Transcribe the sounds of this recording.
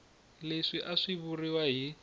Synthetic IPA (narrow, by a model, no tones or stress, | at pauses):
leʂiʔaʂiβuriwaɦi